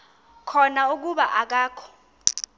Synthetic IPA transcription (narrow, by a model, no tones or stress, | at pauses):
kʰɔnauk̬uɓaʔak̬aːkʰɔ̥